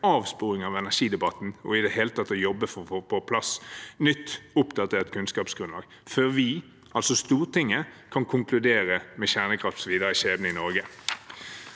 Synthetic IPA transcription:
ɑːʋspuːɾɪŋɑʋɛnæʂiːd̪ɛbɑt̪ːn̩ɔ̰ɪd̪ɛɦeːlət̪ʰɑt̪ːɔjɔbːəfɔɔpʰɔpʰlɑsnʏt̪ːʊpd̪ɑt̪ʰeːʁt̪kʰʉnskɑːpsɡ̥ɾʉnlɑ̰ːɡ | føːʁʋɪ | ɑlsɔst̪uːʁt̪ɪŋːəkʰɑnkʰʊŋkʰlʉd̪eːɾəmɛɕæʁnəkʰʁɑft̪ɔsɔʋiːd̪əɾəʃeːbnəɪnɔʁɡə

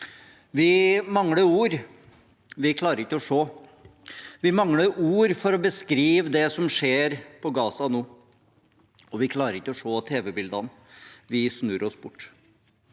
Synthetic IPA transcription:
ʋɪmɑŋːləuːɾ | ʋɪkʰlɑːɾəɾɪkːəɔʂoː | ʋɪmɑŋləuːɾfɔɾɔbəskɾiːʋəd̪ɛsɔmʂeːɾpʰɔɡɑːsɑnuː | ɔʋɪkʰlɑːɾəɾɪkːəɔʂoːt̪ʰeːʋɛbɪld̪ɑn | ʋɪsnʉːɾɔsbʊʈː

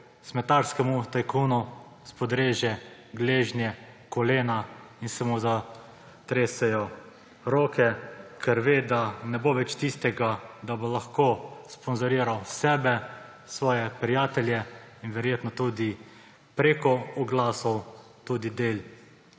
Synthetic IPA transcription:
smɛt̪aɾskɛmut̪ajkʰuːnu | spɔd̪ɾeːʒjɛ | ɡleːʒnjɛkɔleːna | insamoza | t̪ɾeːsɛjɔ | ɾoːkʰɛkʰɛɾʋeːd̪anɛboʋɛt͡ʃt̪iːst̪ɛɡad̪abolaxkospɔnzɔɾiːɾawsɛːbɛ | sʋɔːjɛpɾijaːt̪ɛlʲjɛinʋɛɾjeːt̪nɔt̪ud̪i | pɾekɔɔɡlaːsɔw | t̪uːd̪id̪eːl

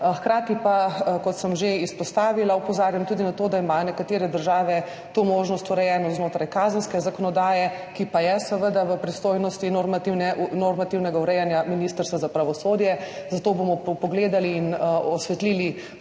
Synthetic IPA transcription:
xkɾaːt̪ipakɔt̪səmʒeispɔst̪aːʋilaupɔzaːɾjamt̪uːd̪inat̪oːd̪aimanɛkat̪eːɾɛd̪əɾʒaːʋɛ | t̪omoːʒnɔst̪uɾɛjɛːnɔznoːt̪ɾajkaːzənskɛzakɔnɔd̪aːjɛ | kipajɛsəʋəd̪aʋəpɾist̪oːjnɔst̪inoɾmat̪iwnɛnoɾmat̪iwnɛɡauɾɛjanjaminiːst̪əɾst̪ʋazapɾaʋɔsoːd̪jɛzat̪oːbomɔpɔɡleːd̪aliːnɔsʋɛt̪liːli

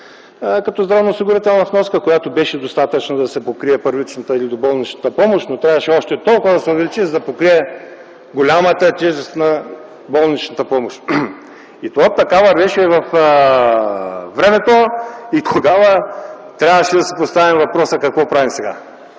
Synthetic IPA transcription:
kɐt̪ɔzd̪ɾavnɐʊsiɡʊɾit̪ɛlˠnɐfnɔskəkojat̪obɛʃɛd̪ost̪at̪ət͡ʃnɐd̪ɐsɛpokɾiɛpəɾvit͡ʃnɐt̪əilid̪obɔlˠnit͡ʃnət̪əpɔmoʃt̪not̪ɾʲavɐʃɛɔʃt̪ɛt̪ɔlˠkʊvəd̪ɐsɛʊvɛlit͡ʃizɐd̪ɐpokɾiɛ | ɡolʲamət̪ət̪ʲɛʒɛst̪nɐ | bɔlˠnit͡ʃnɐt̪əpɔmoʃt̪ | it̪ovat̪ɐkavɐɾvɛʃɛvɐf | vɾɛmɛt̪oit̪ʰoɡavə | t̪ɾʲavəʃɛd̪ɐsipost̪avimvɐpɾɔsəkɐkvɔpɾavimsɛɡa̰

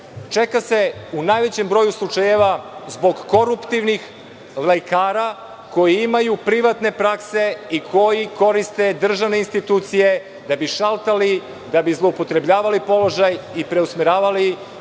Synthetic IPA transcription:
t͡ʃe̞kase̞unaːjʋe̞t͡ɕe̞mbɾo̞juslˠut͡ʃaje̞ʋazbo̞ɡːo̞ɾupt̪iʋnix | lekaːɾa | ko̞jiimajupɾiʋat̪ne̞pɾakse̞ikʰo̞jiko̞ɾist̪e̞d̪r̩ʒaʋne̞inst̪it̪uːt̪sije̞ | d̪abiʃalˠt̪ali | d̪abizlˠoupo̞t̪ɾe̞bʎaːʋalipo̞lo̞ʒajipɾe̞usmeɾaːʋali

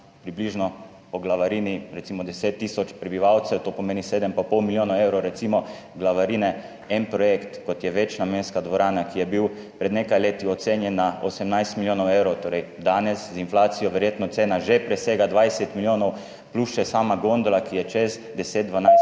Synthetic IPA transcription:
pɾibliʒnɔ | pɔɡlaʋaɾiːniɾɛt̪simɔd̪ɛseːt̪ːiːsɔt͡ʃpɾɛbiʋawt̪sɛwt̪oːpɔmeːniseːd̪əmpapɔwmiljoːnawewɾɔwɾɛt̪simɔ | ɡlaʋaɾinɛ | ɛnpɾɔjekt̪kɔt̪jɛʋɛt͡ʃnameːnskad̪ʋɔɾaːnakijɛbiw | pɾɛd̪nekajleːt̪iɔt̪senjɛnːaɔsɛmnajst̪miljoːnɔwewɾɔwt̪oːɾɛjd̪aːnɛszinflaːt̪sijɔʋɛɾjeːt̪nɔt̪seːnaʒepɾɛseːɡad̪ʋajsɛt̪miljoːnɔw | pluʃʃɛsaːmaɡond̪olakijɛt͡ʃɛz | d̪ɛseːt̪̚d̪ʋanaɪ

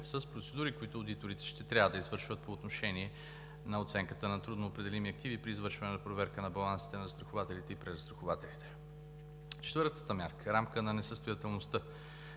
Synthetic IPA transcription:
səspɾot̪sɛd̪uɾikoit̪ʊːd̪it̪oɾit̪ɛ̥ʃt̪ɛt̪ɾʲavəd̪əizvɤɾʃvət̪̚poːt̪noʃɛniɛ | nɐot̪sɛŋkət̪ənɐt̪ɾud̪noːpɾɛd̪ɛlimiɐk̚t̪ivipɾiːzvɤɾʃvɐnɛnɐpɾovɛɾkənɐbɐlˠansi̥t̪ɛnɐzst̪ɾɐxovat̪ɛlit̪ɛipɾɛzəst̪ɾɐxovat̪ɛlit̪ɛ̥ | t͡ʃɛt̪vɤɾt̪ə̥t̪əmʲjaɾkəɾamkənɐnɛsəst̪ojɐt̪ɛlˠnost̪ɤ

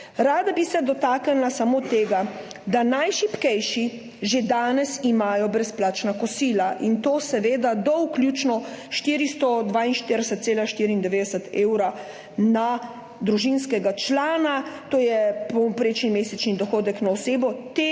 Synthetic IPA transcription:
ɾaːd̪abisɛd̪ɔt̪aːknɛlasamot̪eːɡad̪anajʃipkɛjʃi | ʒed̪aːnɛsimajɔbɾɛsplaːt͡ʃnakɔsiːlaʔint̪oːsɛʋeːd̪ad̪ɔwklʲjuːt͡ʃnɔʃt̪iːɾist̪ɔd̪ʋaːinʃt̪iɾd̪ɛsɛt̪seːlaʃt̪iɾiːnd̪ɛʋeːd̪ɛsɛt̪eːwɾa | na | d̪ɾuʒinskɛɡat͡ʃlaːnat̪oːjɛpɔpɾeːt͡ʃnimeːsɛt͡ʃnid̪ɔxoːd̪ɛknaɔseːbɔt̪e

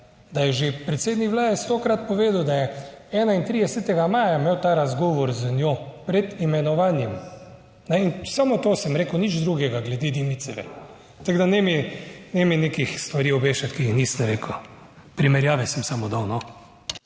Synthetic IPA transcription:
d̪ajɛʒepɾɛt̪seːd̪nikʋlaːd̪ɛst̪okɾat̪pɔʋeːd̪əwd̪ajɛɛːnaint̪ɾiːd̪ɛsɛt̪ɛɡamaːjameːwt̪aɾazɡɔːʋɔɾzənjopɾɛd̪imɛnɔʋanjɛm | nɛinsamot̪oːsɛmɾeːkəwnid͡ʒd̪ɾuɡɛɡaɡlɛd̪id̪imit̪sɛʋɛ̰ɾ | t̪aɡd̪anɛminɛminekixst̪ʋaɾiɔbeːʃat̪kiixnisnɛɾeːkə | pɾimɛɾjaːʋɛsɛmsamod̪awnɔ

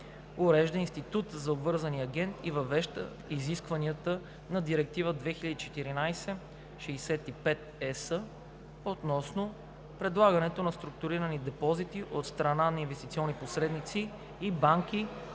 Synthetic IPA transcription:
ʊɾɛʒd̪əinst̪it̪ut̪zɐobvɤɾzɐniɐɡʲɛnt̪ivɐvɛʃt̪ə̰ | iziskvɐniət̪ə | nɐd̪iɾɛk̚t̪ivəd̪vɛxilʲəd̪it͡ʃɛt̪iɾinajsɛ | ʃɛjsɛt̪ipɛt̪̚ɛsə | ot̪nɔsno | pɾɛd̪lˠaɡɐnɛt̪onɐst̪ɾʊk̚t̪ʊɾiɾənid̪ɛpɔzit̪iʔot̪st̪ɾɐnanɐinvɛst̪it̪siɔnːiposɾɛd̪nit̪siː | baŋkʲi

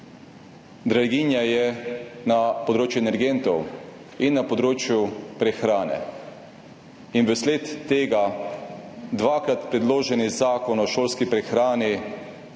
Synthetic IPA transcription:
d̪ɾaɡiːnjajɛnapɔd̪ɾoːt͡ʃjuɛnɛɾɡent̪ɔw | inːapɔd̪ɾoːt͡ʃjupɾɛxɾaːnɛ̰ | inʋəsleːt̪ːeːɡa | d̪ʋaːkɾat̪pɾɛd̪loːʒɛnizaːkɔnɔʃoːlskipɾɛxɾaːni

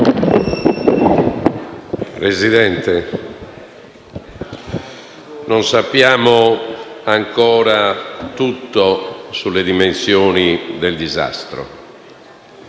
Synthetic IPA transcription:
pɾezid̪ɛnt̪ɛ | nonsapːjaːmoaŋkɔːɾat̪ut̪ːosulːed̪imensjɔːnid̪eld̪iza̰st̪ɾo̰

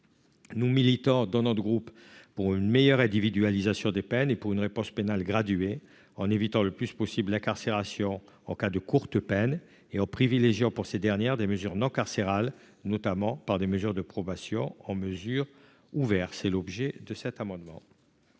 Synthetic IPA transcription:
numilit̪ɔ̃d̪ɑ̃nɔt̪ɡʁupː | uʁynmejœʁɛ̃d̪ivid̪yalizasjɔ̃d̪epɛnepuʁynʁepɔ̃spenalɡʁad̪ɥe | ɑ̃nevit̪ɑ̃ləplyspɔsiblɛ̃kaʁseʁasjɔ̃ | ɑ̃kad̪əkuʁt̪əpɛn | eɑ̃pχivileʒjɑ̃puʁsed̪ɛʁnjɛʁd̪eməzyʁnɔ̃kaʁseʁal | nɔt̪amɑ̃paʁd̪eməzyʁd̪əpχɔbasjɔ̃ɑ̃məzyʁ | uvɛʁsɛlɔbʒed̪əsɛt̪amɑ̃d̪mɑ̰̃

